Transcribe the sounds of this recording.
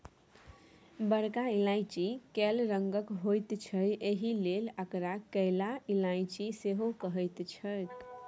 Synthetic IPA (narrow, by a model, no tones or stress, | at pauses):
bəɽkailaɪt͡ʃikelɾəŋɡəkɦojt̪t͡ʃʰəjeɦileləkɾakəlailaɪt͡ʃiseɦokəɦəjt̪t͡ʃʰəek